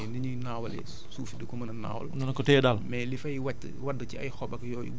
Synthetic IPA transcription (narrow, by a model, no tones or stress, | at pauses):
ndiɲunaːwɐlɛ̰ | suːfidəkɔmɐnɐna̰ːwɐ̰lnɔnɐkɔtɛːdaːlmɛlifɐjwatː | wadːəciɐ̰jxɔɓɐkjɔːjḭɡ